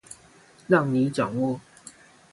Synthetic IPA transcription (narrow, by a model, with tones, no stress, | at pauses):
lɑ˥˨ŋni˨˦ʈ͡ʂɑ˨˩ŋwɔ˥˨